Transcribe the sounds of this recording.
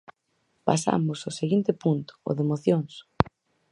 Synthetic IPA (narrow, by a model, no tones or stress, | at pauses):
pasa̰mʊsoseɣint̪ɪpunt̪ʊ̥o̰ðemoθjoŋs